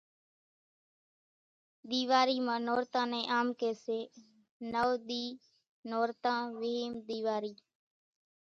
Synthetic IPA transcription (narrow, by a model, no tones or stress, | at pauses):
d̪iːʋaːɾiːmãːnoːɾt̪ãːnẽːʔaːmkeːseː | nəːd̪iː | noːɾt̪ãːʋɪɦiːmd̪iːʋaːɾiː